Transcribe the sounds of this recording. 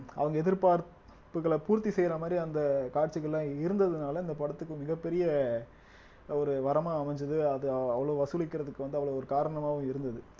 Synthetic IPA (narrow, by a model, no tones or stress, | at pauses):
ʔɐ̰ʋɐŋɡɐɛðɪɾpaːɾ | pːɯkːɐɭɐpuːɾt̪isɛjɾɐmaːd̪ɾiɐnd̪ɐkaːʈ̚t͡ʃːɪɣɐlːãːɪɾɯnd̪ɐðɯnaːlɐɪnd̪ɐpɐɽɐt̪ːɯkːɯmɪɣɐpːɛɾɪjɐ | ɔɾɯʋɐɾɐmaːɐmɐɲd͡ʒɐðɯɐðɯɐʋːɐɭoːʋɐsɯlɪkːɪɾɐðɯkːɯʋɐnd̪ɯɐʋːɐɭoːɔɾɯkaːɾɐɳɐmaːʋɯ̃mɪɾɯnd̪ɐðɯ